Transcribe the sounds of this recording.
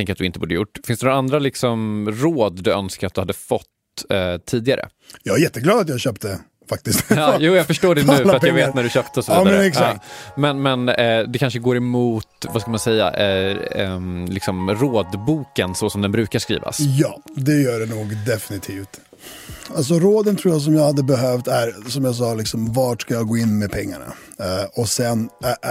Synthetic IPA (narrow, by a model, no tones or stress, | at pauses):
ɛŋkəɾat̪d̪ɵɪnt̪əbuːd̪əjʊ̰ʈːfɪnt̪ɛnɔɾaand̪ɾalɪksɔmɾoːd̪d̪ɵœnskaɾat̪̚d̪ɵhad̪ːəfɔt̪ː | t̪ʰːiːd̪ɪɡaɾə̰ | jɑːɡajɛt̪ːəɡlɑːd̪at̪jaːɕøːp̚t̪ə | fak̚t̪ɪst̪ɑːjuːjaːɡfœʂʈoːɖɛnʉ̟ːfœɾat̪jaɡveːt̪næɖɵɕøːp̚t̪əɔsɔviːd̪ɾɛksaːmɛnmɛnd̪ɛkʰanʂəɡoːɾɛmuːt̪vasklmansɛjːa̰ʔ | lɪksɔmɾoːd̪buːkənsɔsɔmd̪ɛnbɾʉ̟ːkaʂkɾḭːva̰sjɑ̰ːd̪ɛjœːɖɛnuːɡd̪ɛfɪnɪt̪ʰiːft̪ | als̬ɔɾoːd̪ənt̪ʰɾuːjas̬ɔmjɑɡhad̪ːəbɛɦœːft̪æɾsɔmjaːs̬ɑːlɪksɔmvɑːʈʂkajɑɡoːɪnːmɛpʰɛŋːa̰ɳa̰ | ɔsɛn